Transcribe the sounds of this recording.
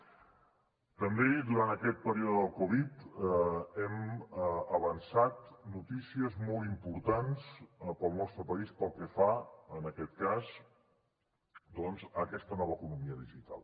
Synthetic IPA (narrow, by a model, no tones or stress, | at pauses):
t̪əmbed̪uɾant̪əkɛt̪̚pəɾiuðəðəlˠkɔβit̪ | ɛm | əβənsat̪nut̪isiəzmɔlˠimpuɾt̪anspəlˠnɔst̪ɾəpəispəlˠkəfaənəkɛt̪̚kaz | d̪ɔnzəkɛst̪ənɔβəːkunumiəðiʒit̪a̰lˠ